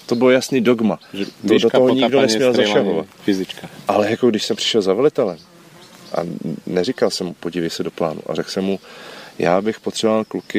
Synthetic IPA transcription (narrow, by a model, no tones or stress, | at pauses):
t̪o̞bɪlojasniːdo̞ɡmat̪odot̪oɦoɲɪɡdonɛsmmɲɛlzaʃaɦova̰t̪fɪzɪt͡ʃkaʔalɛjakoɡdɪʃsɛmpr̥ɪ̥ʃɛlzavɛlɪt̪ɛlɛm | ʔa̰nɛrikalsɛmupo̞ɟivɛjsɛdo̞pla̰ːnṵʔa̰rɛksɛmːuja̰ːbɪxpot̪r̥ɛbovalklukɪ